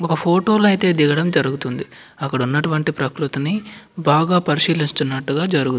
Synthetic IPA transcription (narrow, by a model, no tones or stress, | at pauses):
ɔkɐpʰoːʈo̞ːlɐjt̪e̞ːd̪iɡɐɽɐmd͡ʒɐɾuɡut̪und̪i | ɐkːɐɽɐunːɐʈuʋɐɳʈipɾɐkɾut̪ɐnibaːɡaːpɐɾiʃiːlinst̪unːɐʈːuɡaːd͡ʒɐɾuɡut̪